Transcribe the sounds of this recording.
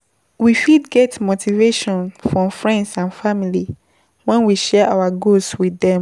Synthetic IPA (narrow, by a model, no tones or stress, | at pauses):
wifidɡɛtmotʰiveʃɔ̃nfɹɔ̃mfɹɛ̃ndsãnfamili | wɛ̃nwiʃɛʔawaɡosswiðɛ̃m